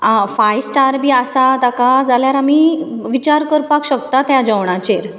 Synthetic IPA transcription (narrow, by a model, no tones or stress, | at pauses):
afajsʈaɾbʱiːasat̪akad͡zaljaɾamiʋit͡ɕaɾkəɾpakɕək̚t̪at̪jad͡ʑəʋɳ̃at͡ɕeɾ